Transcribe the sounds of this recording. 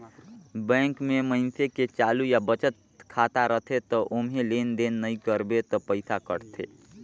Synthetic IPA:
bɛ̃ːŋkmeməɪnseket͡ʃaːlujabət͡ʃət̪̚ | kʰat̪aɾət̪ʰet̪ɔʔʊmɦelend̪enːəikəɾbet̪ɔpəɪsakə̰ɾt̪ʰḛː

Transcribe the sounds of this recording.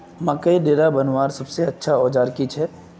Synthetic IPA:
mɐ̃kːɐiɖeːɾabɐnʋaːɾsɐbseɐtːʃʰaɔːd͡ʒaːɾkit͡ʃʰɛː

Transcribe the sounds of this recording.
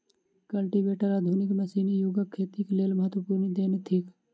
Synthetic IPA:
kəlʈiʋeːʈəɾaːd̪ʱuːnɪkmesinijuɡəkʰːeːt̪ikleːlməɦət̪wəpuːɾnid̪eːnet̪ʰiːk

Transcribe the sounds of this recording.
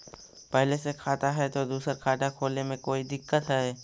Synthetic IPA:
pɛɦlesekʰaːt̪aɦɛt̪od̪uːsəɾkʰaːʈakʰoːlnemẽkoːid̪ɪkːət̪ɦɛː

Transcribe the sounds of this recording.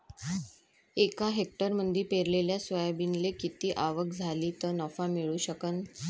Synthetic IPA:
ekaɦek̚ʈəɾmənd̪ʱiːpeɾleljasʋəjbinlekit̪iːʔaʋəkd͡zʱaliːt̪ənɔfamiɭuːɕəkən

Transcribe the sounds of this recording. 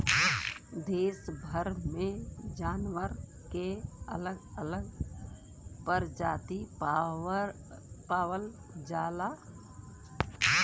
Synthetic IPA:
d̪eːsbʱəɾmẽd͡ʒaːnʋəɾkeə̰ləɡələɡ | pəɾd͡ʒa̰ːt̪i | paːwəl | d͡ʒaːla

